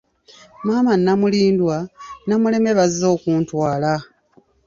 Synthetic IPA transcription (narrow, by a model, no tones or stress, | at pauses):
maːmanːamuliːndwanamule̞me̞βazːo̞ːkuːntwaːla